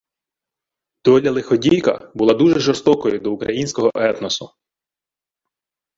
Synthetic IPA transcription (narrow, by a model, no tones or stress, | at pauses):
d̪̥ɔlʲɐlˠɪxɔdʲijkɐ̰bʊlˠad̪uʒɛʒɔɾst̪ɔkɔjʊd̪ɔukɾɐjinʲsʲkɔɦɔʔɛt̪nɔsʊ